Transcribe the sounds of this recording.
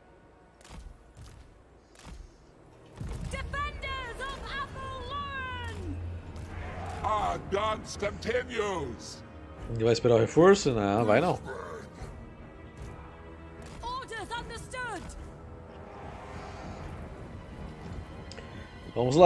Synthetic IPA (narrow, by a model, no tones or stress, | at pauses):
d̥ɪfɛ̃ndəzəvhɛfəlɔɹə̃n | aɡɑnskə̃mtʰɛ̃njoz̥ | vajɪspeɾaʊhefoɾsʊnɐ̃vajnɐ̃w̃ | ɔdə˞zʌ̃ndəstʊd | vɐ̃mʊzla